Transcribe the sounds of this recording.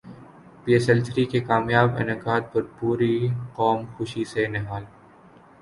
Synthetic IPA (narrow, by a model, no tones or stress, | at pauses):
piːesɛlt͡ʃɾikekaːmjaːbɪ̰nəqaːd̪̚pɐɾpuːɾiqɔːmxʊʃisenɪɦaːl